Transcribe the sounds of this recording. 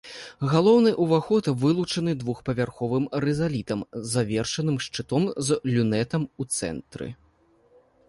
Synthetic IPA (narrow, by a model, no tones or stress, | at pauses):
ɣalˠɔwnɨʔuvaxɔt̪vɨlˠut͡ʂɐnɨd̪vuxpɐvʲarxɔvɨmɾɛzalʲit̪ɐmzːavʲɛrʂɐnɨmʂt͡ʂɨt̪ɔmzlʲunɛt̪ɐmut̪sɛ̰nt̪ɾɨ̰